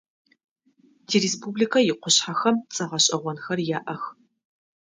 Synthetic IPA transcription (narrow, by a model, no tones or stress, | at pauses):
diːɾeːspʰublikʰɐjɪqʷʊɕħaxɐmt͡sʼɐʁɐɕʼɐʁʷɔnxɐrjaːʔɐx